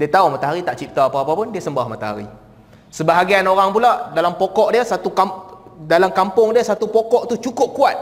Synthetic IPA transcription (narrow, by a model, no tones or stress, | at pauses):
diət̪aumat̪aɦaɾit̪aʔt͡ʃip̚t̪aapaːpapʊndiəsəmbahmat̪aɦa̰ɾḭ | səbaɦaɡianoɾaŋpulaʔdalampokɔʔdiəsat̪ukamdalamkampʊŋdiəsat̪upokɔʔt̪ut͡ʃukʊp̚kuat̪̚